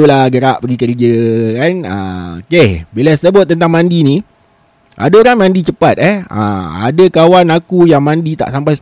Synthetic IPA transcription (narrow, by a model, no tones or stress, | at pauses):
ulaɡəɾaʔpəɡikəɾid͡ʒəkanə̰okebilasəbʊt̪̚ːənt̪aŋmandini | ʔa̰daoɾaŋmãndit͡ʃəpat̪̚ɛhə̰a̰dəkawanakujaŋmandit̪a̰ʔsampajs